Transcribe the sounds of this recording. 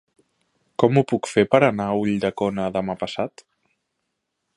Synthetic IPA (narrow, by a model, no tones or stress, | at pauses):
kɔmupukfepəɾənauʎd̪əkɔnəðəmapəsat̪